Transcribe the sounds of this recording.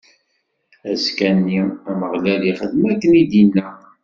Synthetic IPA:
æskænːiæməʁlæliχəðmækːənid̪inːæ

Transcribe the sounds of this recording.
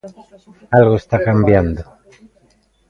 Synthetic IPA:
alɣoest̪akambjand̪o

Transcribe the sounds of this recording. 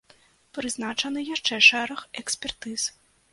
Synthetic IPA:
pɾɨznat͡ʂɐnɨjaʂt͡ʂɛʂɛɾɐxɛksʲpʲɛrt̪ɨs

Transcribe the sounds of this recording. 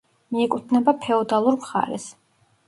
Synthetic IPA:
miɛkʼut̪ʰnɛbapʰɛɔd̪alˠuɾmχa̰ɾɛ̰s

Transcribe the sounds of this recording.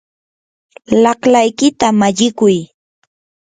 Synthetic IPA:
lɑχlajkɪt̪amaʎɪkʊj

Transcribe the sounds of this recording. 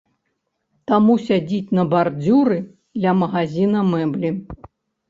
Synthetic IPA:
t̪amusʲad͡zʲit͡sʲnɐbard͡zʲuɾɨ | d̪lʲɐmɐɣazʲinɐmɛblʲi

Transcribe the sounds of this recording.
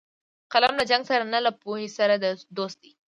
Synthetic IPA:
qalamlad͡ʒaŋɡsaɾanalapohesaɾad̪əd̪ost̪̚d̪i

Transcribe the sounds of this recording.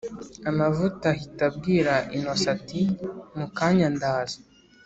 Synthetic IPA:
amavutahitabɡiːɾaʔinosatimukaːɲandaːzḁ

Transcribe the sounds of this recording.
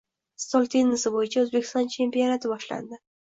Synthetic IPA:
st̪olʲˠt̪ʰenːɪsɪbojɪt͡ʃʰaɵzbekʲɪ̥st̪ɒnt͡ʃʰe̞mpijo̞nat̪ɪbɒʃla̰nd̪ɪ

